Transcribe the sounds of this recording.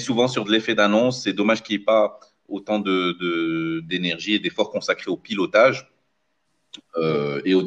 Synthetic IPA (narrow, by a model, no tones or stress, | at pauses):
suvɑ̃syʁd̪əlefɛd̪anɔ̃sːɛd̪ɔmaʒkʲiɛpa | ot̪ɑ̃d̪əd̪əd̪enɛʁʒied̪efɔʁkɔ̃sakχeopilɔt̪aʒ | øeo